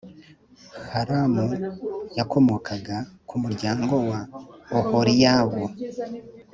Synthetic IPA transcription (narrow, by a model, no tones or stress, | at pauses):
haɾamujakʰo̞mo̞kʰaɡakʰumuɾɟaːŋɡo̞waohoɾijaːβo